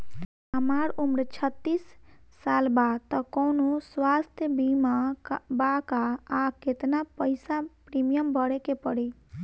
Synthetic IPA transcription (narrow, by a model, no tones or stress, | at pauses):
ɦəmaɾumɾt͡ʃʰət̪ːisːalbad̪t̪əkɔʊnoswast̪ʰjəbimabakaːket̪napəɪsapɾimijəmbəɽekepəɽi